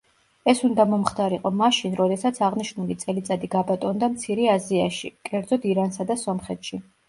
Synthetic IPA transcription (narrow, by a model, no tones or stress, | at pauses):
ɛsund̪amɔmχt̪ʰaɾiqʼɔmaʃinɾɔd̪ɛsat̪sʰaʁniʃnulit̪sʼɛlit̪sʼad̪iɡabat̪ʼɔnd̪amt̪sʰiɾɛaziaʃḭkʼɛɾd̪zɔd̪iɾansad̪asɔmχɛt̪ʃi